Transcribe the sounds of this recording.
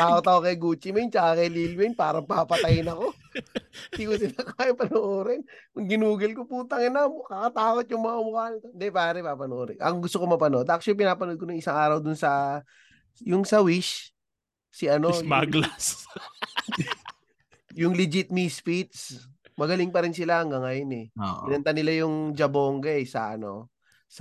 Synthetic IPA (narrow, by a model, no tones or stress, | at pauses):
t̪aːkot̪ɐkokɐjɡuːt͡ʃɪmɐnt͡ʃaɐkɐjlilwɪnpaːɾɐŋpapɐt̪ɐjɪnɐko̞ | d̪ikʊsɪnɐkaːjɪpɐnoʔoːɾɪnmɐɡɪnuːɡɐlkopuːt̪ɐŋɪnamokɐkɐt̪aːkot̪̚jʊŋmɐŋɐmʊkaːlt̪ond̪ɛpaːɾɛpapɐnoʔoɾɛ̰ʔɐ̰ŋɡʊst̪o̞komɐpɐnod̪ʔɐk̚ʃop̬ɪnaːpɐnod̪̚koʊŋɪsaŋaːɾɐwd̪ʊnsɐ | jʊŋsɐwɪʃ | sɪʔɐnobaɡlas | jʊŋlɪd͡ʒɪt̪̚mispit̪̚smɐɡɐlɪŋpɐɾɪnsɪlaɐŋɡaŋɐjonɛoʔɪnɐnt̪anɪlajʊŋd͡ʒɐboŋɡɐɛsɐ̰ʔɐno̞̰ | s